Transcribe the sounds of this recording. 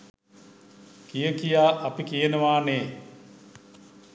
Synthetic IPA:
kijəkijaːʔɐpikijənəʋaːneː

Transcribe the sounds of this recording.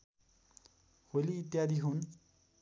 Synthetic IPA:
holiːt̪jad̪ʱiɦun

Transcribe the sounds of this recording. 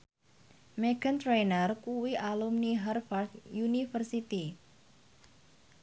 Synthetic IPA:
meɡ̥ənt̪ɾenərkuwiʔalumniɦɛrfart̪junifərsit̪i

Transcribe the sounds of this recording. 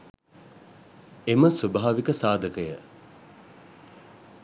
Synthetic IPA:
eməsubaɦaʋikəsaːd̪ʱəkəjə

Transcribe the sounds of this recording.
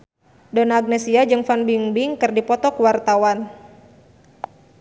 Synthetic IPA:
dɔnaːɡ̚nɛsiad͡ʒɨŋfanbiŋbiŋkɨrdipɔt̪ɔkuwart̪awan

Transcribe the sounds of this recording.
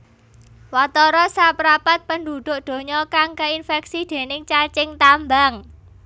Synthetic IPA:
wat̪ɔɾɔsapəɾapat̪̚pənd̪ud̪̥ʊ̤ʔd̪̥o̤ɲɔkaŋkəinfɛk̚sid̪̥e̤nɪŋt͡ʃat͡ʃɪŋt̪ambaŋ

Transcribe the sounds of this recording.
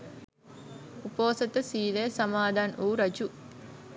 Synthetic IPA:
upoːsɐt̪ɐsiːleːsɐmaːd̪ʱaːnuːɾɐd͡ʒu

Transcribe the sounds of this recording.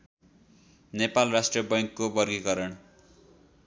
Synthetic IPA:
nepalrasʈrijʌbʌjŋkːobʌrɡikʌɾʌɳ

